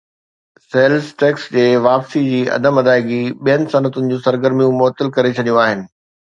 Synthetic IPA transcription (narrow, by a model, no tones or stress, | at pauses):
seːlsʈeːksd͡ʑeːʋaːpsid͡ʑiːɐ̰d̪əmɐd̪aːɪɡiɓijənɪ̆sɐnət̪ʊnɪ̆d͡ʑũːsɐɾɡəɾmijũmʊɦt̪ːəlkɐɾet͡ɕʰɐɗijũaːɦɪnɪ̆